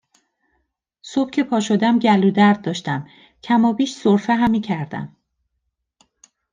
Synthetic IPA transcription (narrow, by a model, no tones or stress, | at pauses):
so̞b̥cʰe̞pʰɒːʃo̞d̪æmɟæluːd̪æɾd̪̚ːɒːʃt̪æm | cʰæmɒːbiːʃsoɾfeɦæmːiːcʰæɾd̪æ̰m